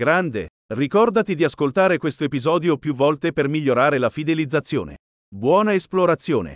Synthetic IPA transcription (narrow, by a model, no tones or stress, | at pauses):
ɡɾand̪e | rikɔrd̪at̪id̪iaskolt̪aːɾekwest̪oepizɔːd̪jopjuvːɔlt̪epermiʎːoɾaːɾelafid̪elid̪zːat̪sːjo̰ːnḛ | bwɔːnaesploɾat̪sːjo̰ːnḛ